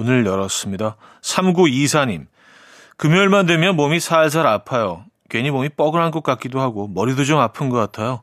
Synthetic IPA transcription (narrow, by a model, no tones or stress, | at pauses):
onɯɭjʌɾʌs͈ɯmɲida | sʰamɡuisʰaɲim | kɯmjʌɭmandwe̞mjʌnmomisʰaɭs̬ʰaɾapʰajo | kɥeɲimomip͈ʌɡɯɾɦankʌk͈ak͈idoɦaɡomʌɾidod͡ʑomapʰɯnɡʌk͈atʰajo